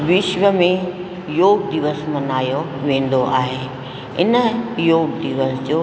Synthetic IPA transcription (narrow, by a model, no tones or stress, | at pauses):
ʋɪʃʋəmẽ | joːɡd̪iʋəsmɐnaːjoʋẽːn̆d̪oʔaːɦe | ɪ̰nə̆joːɡ̚d̪iʋəsd͡ʑoː